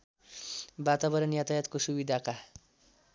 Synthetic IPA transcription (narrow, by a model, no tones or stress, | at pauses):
bat̪abʌɾʌnjat̪ajat̪kosubid̪ʱaka